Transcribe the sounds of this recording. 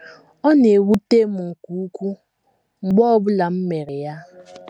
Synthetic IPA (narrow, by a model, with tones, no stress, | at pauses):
ɔ˦ne˨wu˦te˦mu˨ŋ̩˨ku˨˦u˦kʷu˦ | ŋ͡m̩˨ɡ͡bɔ˦ɔ˦bʊ˦la˨m̩˦me˨ɾe˨ja˦